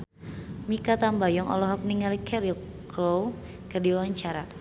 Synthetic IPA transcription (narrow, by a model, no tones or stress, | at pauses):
mikat̪ambajɔŋʔɔ̰lɔɦɔk̚niŋalikʰɛɾil | klow | kərdiawaɲt͡ʃaɾa